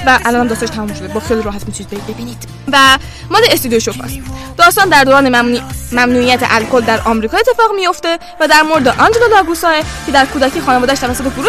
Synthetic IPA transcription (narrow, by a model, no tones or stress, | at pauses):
væʔælɒːnhæmd̪ɒst̪ɒneʃt̪ʰæmumʃo̞d̪ebɒːxejliɾɒːɦæt̪mit̪ʰunid̪̚bebebiːnid̪̥ | væ | mɒːleest̪id̪ijoʃofʰɒ̰sd̪̥ɒːst̪ɑːnd̪æɾd̪oːɾɒːnemæmnuːijæt̪ʰḛʔælkʰold̪æɾʔɒːmɾiːkʰɒːet̪ʰːe̞fɒːɣmijo̞ft̪e̞ | væd̪æɾmoɾed̪eʔɒnd͡ʒelolɒːɡusɒːecʰe̞d̪æɾkʰuːd̪æckʰiːxɒːnevɒːd̪æʃt̪ævæsːo̞t̪e̞fuɾu